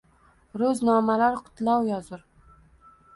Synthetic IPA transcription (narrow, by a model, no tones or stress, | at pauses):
ɾɵznɒmalaɾqʰʊ̥t̪lawjɒzʊɾ